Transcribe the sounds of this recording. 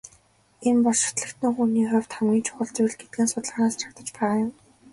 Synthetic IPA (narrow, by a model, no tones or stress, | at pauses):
enpɔɮʃɪ̥t̪ɮə̆kt̪nŭːŋxuniːχʊwʲt̪χamɡʲiːnt͡ɕʰʊ̥χə̆ɮt͡sʊjɮɡet̪̚ɡeːnsʊt̪əɮʁənaːst͡ɕʰḁkt̪ə̆t͡ɕpæːʁaːjʊm